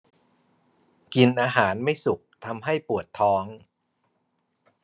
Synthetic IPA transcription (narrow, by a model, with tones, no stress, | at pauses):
ki˧nʔaː˧ɦaː˩˦nma˥˩jsu˨˩k̚t̪ʰa˧mɦa˥˩jpu˨˩ət̪ʰːɔː˦˥ŋ